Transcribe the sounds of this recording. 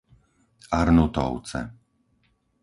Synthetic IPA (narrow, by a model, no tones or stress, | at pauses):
aɾnut̪ɔ̰ʊt͡sɛ̰